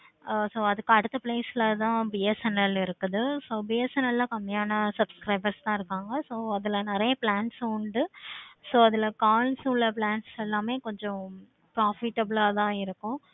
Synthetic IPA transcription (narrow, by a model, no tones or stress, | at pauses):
soːɐðɯkːɯɐɽɯt̪ːɐpleːsɪlɐt̪ãːbiːɛsɛnɐlɪɾɯkːɐðɯsoːbijɛsɛnɐlːakɐmːɪjaːnɐsɐpskɾɐɪbɐɾst̪ãːɪɾɯkːaːŋɡɐsoːɐðɪlɐnɪɾɐjɐplaːnʈsʊɳɖɯsoːɐðɪlkaːlsulɐplaːnʈsɛlːaːmeːkɔɲd͡ʒɔ̃ | pɾaːfɪʈːɐblaːt̪ãːɪɾɯkːʊ̃